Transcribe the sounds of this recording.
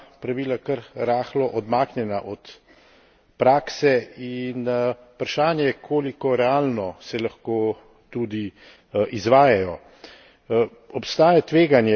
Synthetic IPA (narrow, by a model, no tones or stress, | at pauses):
pɾaʋiːlakɐəɾɾaːxlɔʔɔd̪maːknjɛnaʔɔt̪ | pɾaːksɛin | pɾaʃaːnjɛjɛkʰoːlikɔɾɛaːlnɔsɛlɐxkoː | t̪ud̪i | ʔizʋaːjajɔ | ɔpst̪aːjat̪ʋeːɡanjɛ